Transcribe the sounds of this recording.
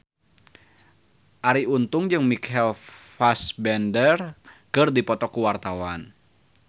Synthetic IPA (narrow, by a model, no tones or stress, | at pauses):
ʔaɾiunt̪ʊŋd͡ʒɨŋmikɛlfasbɛndərkɨrdipɔt̪ɔkuwart̪awan